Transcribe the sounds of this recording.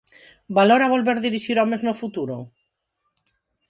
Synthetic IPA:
baloɾaβ̞olβeɾðiɾiʃiɾɔmeznofut̪uɾo

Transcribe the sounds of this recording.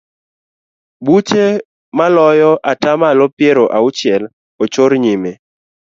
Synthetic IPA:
but͡ʃe | malɔjɔʔatamalɔpjeɾoʔaʊt͡ʃɪɛl | ot͡ʃoɾɲime

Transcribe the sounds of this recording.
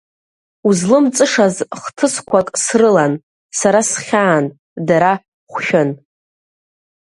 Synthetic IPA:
uzlɨmt͡sʼɨʂazχtʰɨskʷʰakʼsrɨlan | saɾasχʲaːn | daɾa | χʷʃʲᶣɪn

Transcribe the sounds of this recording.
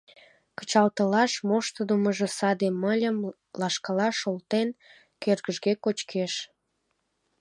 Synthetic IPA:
kə̥t͡ɕɑlt̪əlɑʃmoʃt̪əd̪əməʒə̆sɑd̪emːəlʲəm | lɑʃkɑlɑʃolt̪en | kørɣəʒɣekot͡ɕkʰeʃ

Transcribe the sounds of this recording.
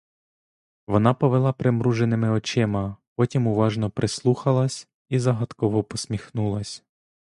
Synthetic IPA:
ʋɔnɑpɔʋelˠɑpɾemɾuʒenɪmɪɔt͡ʃɪmɐpɔtʲimuʋɑʒnɔpɾeslˠuxɐlˠɐsʲ | izɐɦɐt̪kɔʋɔpɔsʲmʲixnulˠɐsʲ

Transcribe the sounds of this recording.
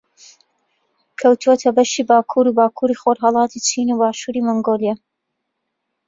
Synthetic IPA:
kʰɐwt̪uot̪ʰɐbɐʃiːbaːkʰuːɾuːbaːkʰuːɾiːxoɾɦɑlˠɑːt̪ʰit͡ʃʰiːnubaːʃuːɾiːmoŋɡolija

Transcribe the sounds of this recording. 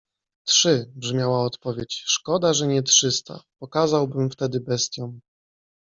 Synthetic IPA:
t̪ʂɘbʐmʲjawaɔt̪pɔvʲjet͡ɕʂkɔd̪aʐɛɲɛtʂɘst̪a̰pɔkazawbɘmft̪ɛd̪ɘbɛst̪ʲjɔ̃w̃

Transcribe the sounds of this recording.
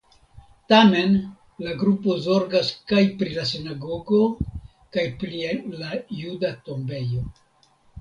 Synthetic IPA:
tame̞n | laɡɾupo̞zo̞ɾɡaskajpɾilas̬inaɡo̞ɡo̞ | kajpɾielajudato̞mbe̞jo̞

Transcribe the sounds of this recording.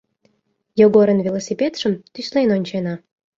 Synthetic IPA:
joɡoɾə̆nvʲilˠosʲipʲet̪ʃə̆mt̪ysʲlenonʲt͡ɕenɑ

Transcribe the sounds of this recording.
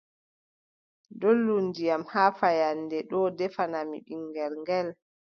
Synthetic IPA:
dolːundijamhaːfajandɛɗɔdɛfanamḭɓiŋɡɛɾŋɡɛl

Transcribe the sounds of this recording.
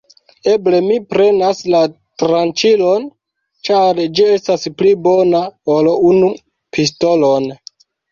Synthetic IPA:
e̞ble̞mipɾe̞nasla | tɾant͡ʃilo̞n | t͡ʃaɾd͡ʒie̞stasplibo̞naolunu | pis̬to̞lo̞n

